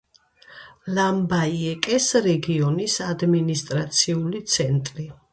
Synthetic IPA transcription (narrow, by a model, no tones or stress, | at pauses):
lambaiɛkʼɛsɾɛɡiɔnisad̪minist̪ʼɾat̪sʰiulit̪sʰɛnt̪ʼɾi